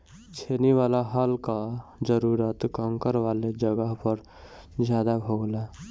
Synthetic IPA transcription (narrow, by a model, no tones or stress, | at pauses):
t͡ʃʰeːniwaːlaɦaːlkad͡ʒəɾuːɾət̪kəŋkəɾʋaːled͡ʒəɡəɦpəɾ | d͡ʒjaːd̪abʱoɡla